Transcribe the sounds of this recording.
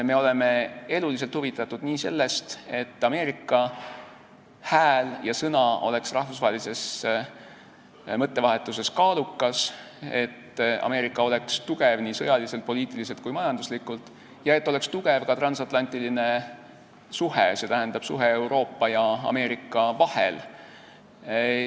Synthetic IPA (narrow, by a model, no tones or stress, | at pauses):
me̞o̞le̞me̞e̞lulis̬elt̪huvit̪ːˑɑt̪ːud̪̥niːse̞̰lːe̞st̪e̞t̪ːˑɑme̞ːɾikːˑɑ | hæːljɑsɤnɑo̞le̞ksrɑhvusvɑɦelise̞s | mɤt̪ːe̞vɑɦe̞t̪ːˑuse̞skɑːlukːˑɑs | e̞̰t̪ːɑ̰me̞ːɾikːˑɑo̞le̞kst̪uɡe̞vniːsɤjɑlise̞lt̪̚po̞liːt̪ˑilis̬e̞lt̪̚kujmɑjɑnd̪uslikːˑult̪ːˑ | jɑe̞t̪ːˑo̞le̞kst̪uɡe̞vkɑt̪rɑnsɑt̪ˑlɑnʲt̪iline̞ | suhese̞ːt̪æɦænd̪̥ɑb̥suɦe̞ewɾo̞ːpːˑɑjɑɑ̰me̞ːɾikːˑɑvɑhḛl